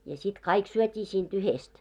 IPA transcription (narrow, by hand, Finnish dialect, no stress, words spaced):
jɑ sit kɑik syøtʲiː siːnt yhest